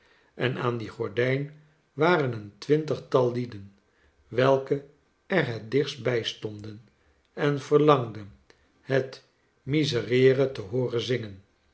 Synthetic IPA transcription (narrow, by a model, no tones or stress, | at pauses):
ɛnaːnd̪iχɔɹdɛjn | ʋaːrənəntʋɪntəχtɑlˠlidən | ʋɛlˠkə | ɛrɦɛt̚dɪχst̚bɛjstɔndən | ɛnv̥əɹlɑŋdən | hɛt | mizərɪːrətəɦoːrənzɪŋən